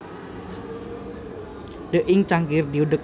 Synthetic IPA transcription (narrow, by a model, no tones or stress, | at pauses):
ɖ̥əʔɪŋt͡ʃaŋɡɪrd̪iuɖək̚